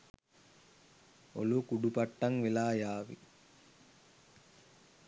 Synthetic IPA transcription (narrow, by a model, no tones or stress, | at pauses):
o̰lukuɖupaʈːaŋʋelaːjaːʋḭ